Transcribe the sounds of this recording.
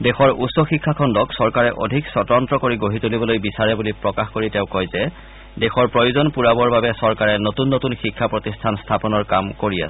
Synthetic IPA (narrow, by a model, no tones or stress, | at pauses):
dɛxɔɹutsɔxikʰːakʰɔndɔksɔɹkaɹɛʔo̰dʱiksɔtɔntɹɔkoɹiɡoɦitulibɔlojbisaɹɛbulipɹɔkaxkoɹitɛʊ̃kɔjzɛ | dɛxɔɹpɹojuzɔnpuɹabɔɹbabɛsɔɹkaɹɛnotunːotunxikʰːapɹotistʰanstʰapɔnɔɹkamkoɹia̰s